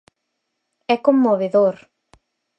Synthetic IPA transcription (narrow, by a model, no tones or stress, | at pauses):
ɛkomːoβeðoɾ